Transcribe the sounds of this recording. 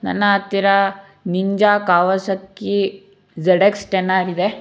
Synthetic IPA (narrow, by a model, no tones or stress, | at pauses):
nɐ̰nːɐːt̪ːiɾɐ | niɲd͡ʒaːkaːʋɐsɐkːi | d͡ʒɐɽeksʈenːaːɾid̪e